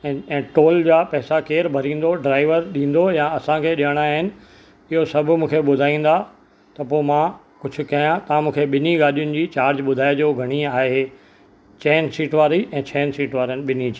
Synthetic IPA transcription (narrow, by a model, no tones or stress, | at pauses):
ɛ̃ːʈoːld͡ʑaːpɛːsakeːɾbʱɐɾĩːn̆d̪oɖɾaːɪʋəɾɗĩːn̆d̪ojãɐsãkʰeːɗiəɽ̃aɦɪnɪ̆ | ɪɦosɐbʱʊmũːkʰeɓʊd̪ʱaːĩːn̆d̪a | t̪ɐpoːmã | kʊd͡ʑʱʊ̆kɐjãt̪ɐãmũːkʰeɓɪniɡaːɗijʊnɪ̆d͡ʑiːt͡ɕaːɾd͡ʑɓʊd̪ʱaːed͡ʑoːɡʱɐɽ̃iaːɦe | t͡ɕɛːnsiːʈʋaːɾiɛ̃ːt͡ɕʰɛːnsiːʈʋaːɾənɪ̆ɓɪnid͡ʑiː